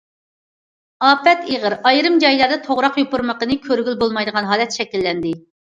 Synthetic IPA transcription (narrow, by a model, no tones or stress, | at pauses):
ɑːpɛt̪eʁəɾɑjɾɨmd͡ʒɑjlˠɑɾd̪ɛt̪ʰoʁɾɑqjopuɾməqənɨkʲʰøɾɡʲylbolˠmɑjd̪əʁɑnɦɑːlɛt̪ʃɛkʲilːɛnd̪ɪ